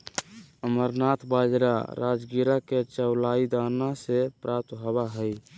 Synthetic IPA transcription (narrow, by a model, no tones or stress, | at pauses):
əməɾnaːt̪ʰbaːd͡ʒɾa̰ɾa̰ːd͡ʒɡiɾaket͡ʃəʊlaːid̪anasepɾap̚t̪ɦəbaɦəj